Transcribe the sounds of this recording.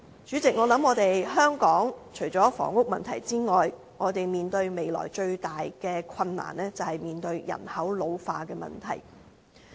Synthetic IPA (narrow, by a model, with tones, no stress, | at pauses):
t͡ʃy˨˥t͡sɪ˨k̚ŋɔː˨˧lɐ˨˥mŋɔː˨˧t̪e˨jɦœː˥ŋkɔː˨˥ŋt͡ʃʰɵ˨˩ɥt͡sɔː˨˥fɔ̰ː˨˩ŋʊ˥k̚mɐ˨nt̪ʰɐ˨˩jt͡siː˥ŋɔː˨j | ŋɔː˨˧t̪e˨jmiː˨nt̪ɵ˧ɥme˨jlɔ̰ː˨˩jt͡ʃɵ˧ɥt̪aː˨jkɛː˧kʰɐ˧nːa̰ː˨˩nɛː˥t͡sɐ˨whɐ˨jmiː˨nt̪ɵ˧ɥjɐ̰˨˩nhɐ˨˥wlo˨˧wfaː˧kɛː˧mɐ̰˨˩nt̪ʰɐ̰˨˩j